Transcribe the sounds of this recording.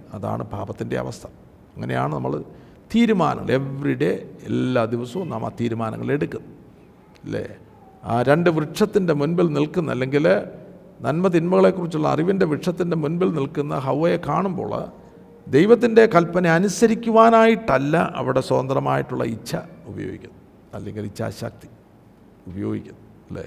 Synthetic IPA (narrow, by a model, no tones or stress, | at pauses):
ɐða̰ːɳɨbʱa̰ːbɐt̪ːinde̞̰ɐ̰ʋɐ̰st̪ʰɐ̥ | ɐŋːɐne̞ja̰ːɳɨnɐmːɐɭ | t̪iːɾuma̰ːnɐ̰ŋːɐɭʔe̞ʋriɽe̞ːlːaːd̪iʋɐsɐʋumnaːma̰t̪iːɾumaːnɐ̰ŋːɐɭe̞ɽukːunːɐ | lːḛ | aːɾe̞ɳɖɨʋrɨʈʂɐt̪ːinde̞munbilnilkunːɐlːeŋɡil | nɐnmɐt̪̬inmɐɣɐɭe̞kːurit͡ɕːuɭːɐ̰ɐ̰riʋindeʋrɨʈʂɐt̪ːinde̞munbilnilkunːɐ̰ɦɐwʋɐjekːaːɳumbo̞̰ːɭ̰ | d̪e̞jʋɐt̪ːinde̞kɐlpːɐneɐnusɐɾikʲːuʋaːnaːjiʈːɐlːɐʔɐ̰ʋiɽe̞so̞ːnd̪rɐma̰ːjiʈːuɭːɐ̰it͡ɕːɐubɐjo̰ːɡḭkʲːunː | ɐlːeŋɡilit͡ɕːa̰ːɕa̰ːk̚t̪i̥ | ubɐjo̞ːɡikʲːunːɐ | lːḛː